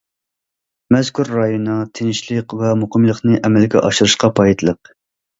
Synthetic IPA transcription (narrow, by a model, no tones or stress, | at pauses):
mɛzkʲʰuɾːɑjonɑt̪ʰenɪʃlˠəqvɛmoqʰəmlˠəqnɨʔɛmɛlɡʲɛ̰ʔɑʃuɾɨʃqɑpʰɑjt̪ʰlˠəq̚